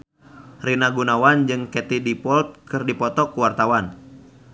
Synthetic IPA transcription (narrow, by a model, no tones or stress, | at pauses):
rinaɡunawand͡ʒɨŋkɛt̪idipɔlt̪̚kɨrdipɔt̪ɔkuwart̪awan